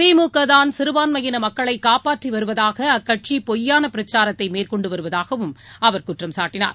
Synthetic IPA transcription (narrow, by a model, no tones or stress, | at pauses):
iːmuːkːɐðaːnsɪɾɯʋaːnmɐjɪnɐmɐkːɐɭɐɪkːaːpaːʈriʋɐɾɯʋɐðaːɣɐɐkːɐʈ̚t͡ʃipɔjːaːnɐpɪɾɐt͡ʃaːɾɐt̪ːɐɪmeːrkɔɳɖɯʋɐɾɯʋɐðaːɣɐʋɯmɐʋɐɾkʊʈrɐmsaːʈːɪna̰ːɾ